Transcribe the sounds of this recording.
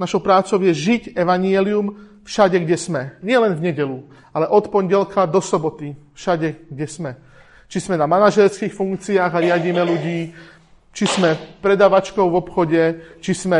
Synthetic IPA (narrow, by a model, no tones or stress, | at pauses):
naʃɔʊpɾaːt͡sɔʊjɛʒicɛʋaɲiɛlium | fʃaɟɛɡɟɛsmɛɲɪɛlɛnvɲɛɟɛlu | alɛʔɔt̪pɔɲɟɛlkad̪ɔsɔbɔt̪ifʃaɟɛɡɟɛsmɛ | t͡ʃizmɛnamanaʒɛɾskiːxfuŋk̚t͡siaːɣaɾɪaɟimɛluɟiː | t͡ʃiz̥mɛpɾɛd̪aːʋat͡ʃkɔʊvɔpxɔɟɛt͡ʃizmɛ